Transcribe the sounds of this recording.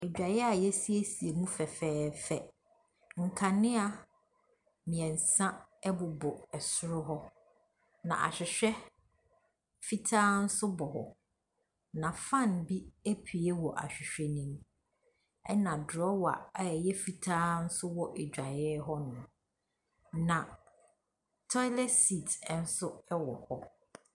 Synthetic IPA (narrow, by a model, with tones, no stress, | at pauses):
ɛ˨d͡ʑᶣa˨jɛ˦a˨jɛ˦si˨e˦si˨e˨mũ˦fɛ˨fɛː˦fɛ˨ | ŋ̩˨kʰã˨nɪ̃˦a˨ | mĩ˨ɛ̃˨n̩˨sã˦ɛ˦bʊ˨bɔ˨ɛ˨sʊ˦ɾʊ˦ɦɔ˦ | nã̰˨ʔa̰˨ɕᶣɪ˨ɕᶣɛ˦ | fi˦tʰaː˦n̩˦sʊ˦bɔ˨ɦɔ̰˨ | nã˨fã˦˨nbi˦e˦pʰi˨e˦wɔ˨ʔa̰˨ɕᶣɪ˨ɕᶣɛ˦nĩ˦m | ɛ˦nã˨dɔ˦wa̰˨a˨ɛ˨jɛ˦fi˨tʰaː˦n̩˦sʊ˦wɔ˦ʔe˨d͡ʑᶣa˨jɛ˦ɦɔ˦nʊ̃˨ | nã˨ | tʰɔ˦lɛ˦si˨tʰn̩˦sʊ˦ɛ˦wɔ˨hɔ˦